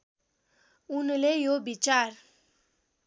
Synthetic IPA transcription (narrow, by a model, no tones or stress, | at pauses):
unlejobit͡ɕaɾ